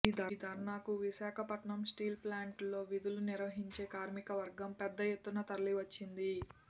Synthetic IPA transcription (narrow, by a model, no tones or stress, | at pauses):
iːd̪ʱɐd̪ʱɐɾɳaːkuʋiʃaːkʰɐpɐʈɳɐmsʈiːlplaːɳʈlo̞ːʋid̪uluniɾʋɐɦiɲt͡ʃe̞ːkaːɾmikɐʋɐɾɡɐmpɛd̪ːɐjet̪ːunɐt̪ɐɾɐliʋɐt͡ʃːind̪i